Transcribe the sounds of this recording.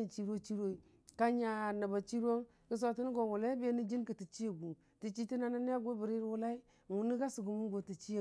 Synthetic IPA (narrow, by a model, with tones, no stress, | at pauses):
i˨t͡ʃi˦ɾo˦t͡ʃi˦ɾo˦i˨ | ka˦ɲa˨na˨ba˨t͡ʃi˦ɾo˦ŋ | ki˦s̬o˨ti˦n˦ɡo˨wu˨la˦i˦be˦ni˦d͡ʒi˦nki˨ti˨t͡ʃi˦je˨ɡu˨ | ti˨t͡ʃi˦ti˦na˦na˦n˦a˦ɡo˦bi˨ɾi˦ɾwu˦la˦i˦ | ŋu˨ni˦ɡa˦si˨ɡu˨mu˦ɡo˨ti˨t͡ʃi˦e˨